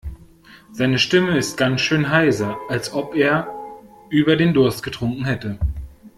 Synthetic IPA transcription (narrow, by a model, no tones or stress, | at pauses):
z̥aɪnəʃtɪməɪst̚ɡ̥ansʃøːnɦaɪsɐʔalsʔɔpʔeːɐ | ʔyːbɐdeːndʊɐst̚ɡ̥ətʁ̥ʊŋkŋ̩hɛtə